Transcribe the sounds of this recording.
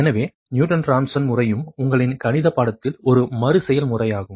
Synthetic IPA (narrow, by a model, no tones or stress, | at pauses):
ɛnɐʋeː | njuːʈɐnɾaːmsɐnmʊrɐjɯmʊŋɡɐɭɪnkɐɳɪðɐpːaːɽɐt̪ːɪlɔɾɯmɐɾɯsɛjɐlmʊrɐjaːɣɯm